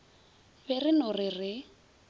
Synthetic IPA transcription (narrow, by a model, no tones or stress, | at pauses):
bɛrɪnʊrɪrɪ